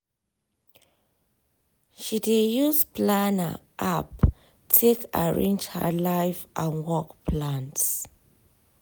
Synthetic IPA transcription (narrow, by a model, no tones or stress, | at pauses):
ʃidejuspʰlanə̰ʔap | tʰekʰaɹḛ̃nd͡ʒhə̰lajfʔãnwɔkpʰlãnts